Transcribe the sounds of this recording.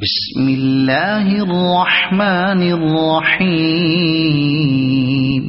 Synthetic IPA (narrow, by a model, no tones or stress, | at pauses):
bɪs | mɪlːaːɦɪʔrˤːɑħmaːnɪrˤːɑħiː | m